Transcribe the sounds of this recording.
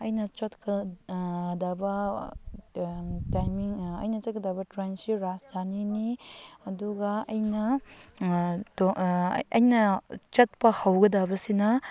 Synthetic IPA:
ɐjnɐt͡ʃɐtkɐ | d̪abɐ | tajmiŋɐ̰jnɐt͡ʃɐt̚kɐdabɐtɾansiɾasdʰaniniɐduɡɐɐjnɐ | toɐjnɐt͡ʃɐt̚pɐhɐwɡɐdabɐsinɐ

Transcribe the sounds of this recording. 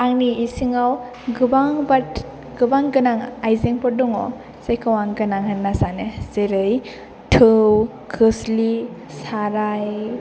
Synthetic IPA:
aŋniːsiŋaw | ɡɯbaŋbat | ɡ̥ɯbaŋɡɯnaŋajzeŋpʰɔdɔŋɔ̰ | zajkʰawaŋɡɯnaŋhanːasanezeɾɯj | tʰɯw | kʰɯsli | saɾaj

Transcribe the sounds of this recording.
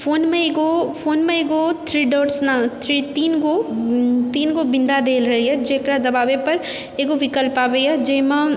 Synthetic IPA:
foːnmẽeːɡofoːnmẽeːɡot̪ʰɾiːɖɔːʈsnat̪ʰɾit̪iːnɡo | t̪iːnɡobɪ̃nd̪ad̪eːlɾɐɦiɛd͡ʒeːkɾad̪ɐbaːʋepɐɾ | eːɡoʋɪkəlpaːʋeiad͡ʒeːmã

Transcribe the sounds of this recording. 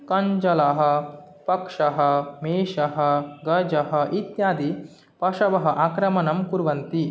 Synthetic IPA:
kɐɲd͡ʒɐlaɦɐ̆ | pɐkʂɐɦɐmeːʃɐɦɐ̆ɡɐd͡ʒɐɦɐʔit̪jaːd̪i | pɐʂɐʋɐɦɐ̆ʔaːkɾɐmɐnɐmkuɾʋɐnt̪i

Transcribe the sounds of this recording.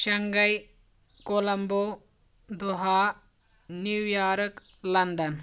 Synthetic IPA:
ʃɐŋɡɐj | kolɐmbo | d̪uɦaː | niwjaːɾɐk | lɐnd̪ɐn

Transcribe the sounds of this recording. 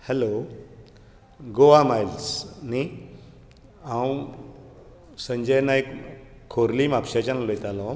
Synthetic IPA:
hɛlo | ɡoʋamajlsni | aw | səɲd͡ʑəjnaek | kʰːoɾliːmapɕat͡ɕanlojt̪alɔ

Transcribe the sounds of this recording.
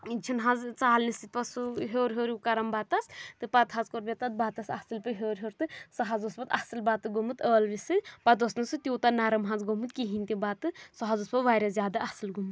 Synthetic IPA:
t͡ʃʰinɦãzt͡saːlnisit̪̚pɐsuɦʲoːɾɦoːɾukɐɾɐmbat̪ɐst̪ɨpɐt̪ɦazkoɾbʲet̪ɐt̪̚baːt̪ɐsɐsɨlpɨɦʲoːɾɦoɾt̪ɨsɐɦazosbɐt̪ɐsɨlbat̪ɨɡomɨt̪əːlʋisɨpɐt̪osnɨsɨt̪ʲoːt̪ɐnaɾɐmɦãzɡomɨt̪kiɦinʲt̪ʲibat̪ɨsɐɦazoːspɐʋaːɾʲazjaːd̪aʔɐsɨlɡumɨt̪

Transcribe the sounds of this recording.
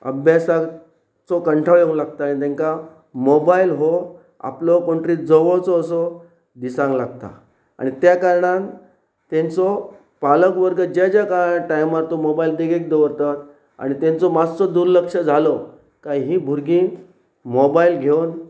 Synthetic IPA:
ə̰bʱjasa | t͡sɔkəɳʈʰaʋjəũlaɡt̪anit̪̬ɛ̃ŋka | mobailɦo | a̰plɔkoɳʈɾiːd͡zɔʋɔt͡sɔːsɔ | d̪isãŋɡlaɡt̪a̰ | a̰ɽ̃it̪jakaɾɳ̃ãŋ | t̪ẽnt͡sɔ | paləkʋəɾɡəd͡ʑad͡ʑjakaʈajmat̪ɔmobaild̪eɡek̚d̪eʋəɾt̪at̪ | a̰ɽ̃it̪ẽnt͡sɔmad͡zt͡sɔd̪uɾləkʂəd͡zʱalɔ | kaɦiɦĩːbʱuɾɡiː | mobailɡʱewn

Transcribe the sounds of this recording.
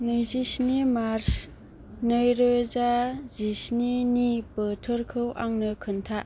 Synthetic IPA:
nɯjzisnimaɾs | nɯjɾɯzazisninipɯtʰɯɾkʰɯwʔaŋnɯkʰɯntʰaʔ

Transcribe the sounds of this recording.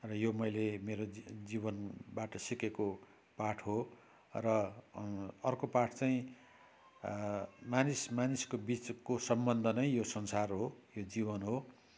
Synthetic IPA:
rʌjomʌjlemeɾod͡zibʌnbaʈʌsikeko | paʈʰɦo | rʌ | ʌrkopaʈʰt͡saĩ | manismaniskobit͡skosʌmbʌnd̪ʱʌnʌjjosʌnsarɦojod͡zibʌnɦo

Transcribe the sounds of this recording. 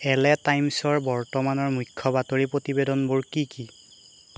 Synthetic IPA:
ɛlɛtajmsɔɹbɔɹtɔmanɔɹmukʰːɔbatoɹipɹotibedɔnboɹkiki

